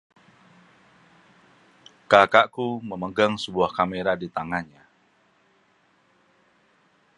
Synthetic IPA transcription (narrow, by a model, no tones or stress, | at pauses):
kakaʔkuməməɡaŋsəbuahkameɾadit̪aŋanɲa